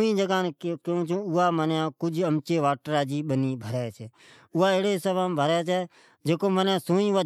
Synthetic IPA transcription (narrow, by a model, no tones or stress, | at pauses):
ĩːd͡ʒəɡaːnkeũːt͡ʃʰũːʊaːmənjãːkʊd͡ʒʱəmt͡ʃeːʋaːʈɾaːd͡ʒiːɓəniːbʱəɾɛːt͡ʃʰɛː | ʊɦaːeːɽeːsəʋaːmbʱəɾɛːt͡ʃʰɛː | d͡ʒeːkoːmənãːsoːĩːʊaː